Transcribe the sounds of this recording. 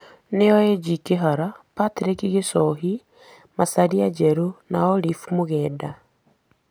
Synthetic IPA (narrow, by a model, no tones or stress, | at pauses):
neɔɛd͡ʒikeɦaɾapatɾekiɣesɔɦi | masaɾiad͡ʒɛɾonaɔɾifmoɣɛːda